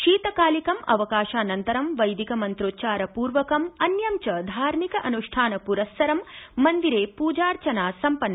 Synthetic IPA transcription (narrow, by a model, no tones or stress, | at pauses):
ʃiːt̪ɐkaːlikɐmɐ̰ʋɐkaːʃaːnɐnt̪ɐɾɐmʋɐjd̪ikɐmɐnt̪ɾoːt̪̚t͡ʃaːɾɐpuːɾʋɐkɐmɐnjɐmt͡ʃɐd̪ʱaːɾmikɐʔɐnuʂʈʰaːnɐpuɾɐsːɐɾɐmːɐnd̪iɾeːpuːd͡ʒaːɾt͡ʃɐnaːsɐmpɐnːɐ